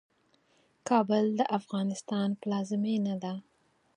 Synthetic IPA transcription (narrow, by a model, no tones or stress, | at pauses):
kʰɑbəld̪əʔafɣɑnɪst̪ɑnplɑzɪmenad̪a